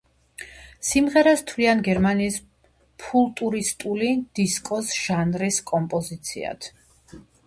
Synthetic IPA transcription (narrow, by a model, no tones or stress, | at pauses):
simʁɛɾast̪ʰvlianɡɛɾmaniːs | pʰulˠt̪ʼuɾist̪ʼulid̪̥iskʼɔsʒ̥anɾiskʼɔmpʼɔzit̪sʰḭa̰t̪ʰ